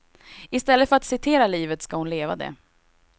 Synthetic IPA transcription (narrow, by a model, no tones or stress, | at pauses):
ɪst̪ɛlːət̪fœɾat̪sɪt̪ʰeːɾaliːvət̪skahʊnleːva̰d̪ɛ̰